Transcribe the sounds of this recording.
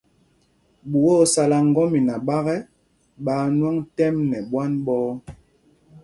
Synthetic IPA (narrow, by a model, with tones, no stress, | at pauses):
ɓu˨wɔ˦sa˨la˨ŋ˦ɡɔ˦mi˨na˨ɓa˦ɣɛ˦ | ɓaː˨˦nwa˦ŋtɛ˦mnɛ˨bwa˦nɓɔː˦